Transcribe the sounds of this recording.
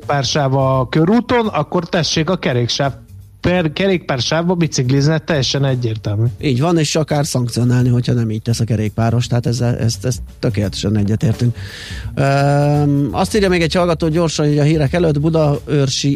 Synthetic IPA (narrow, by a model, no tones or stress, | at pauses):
paːrʃaːvɒkøɾuːt̪o̞nɒkːo̞rt̪ɛʃːeːkɒkɛɾeːkʃaː | pɛkɛɾeːk̚paːrʃaːvbɒbit̪sikliznɛt̪ːɛjːɛʃɛnɛɟːeːrt̪ɛlmyːiːɟʋɒneːʃɒkaːrsɒŋkt̪sijo̞naːlniɦo̞chɒnɛmiːɟ̚t̪ɛsɒkɛɾeːk̚paːɾo̞ʃt̪ɛɦat̪ɛzːɛlɛ̰st̪ɛst̪ːøkeːlɛt̪ɛ̥ʃɛnɛɟːɛt̪eːrt̪yŋk | øː | ʔɒst̪iːrjɒmeːɡɛchɒlɡɒt̪oːɟo̞ːrʃɒniɟɒɦiːɾɛkɛløt̪bud̪ɒørʃi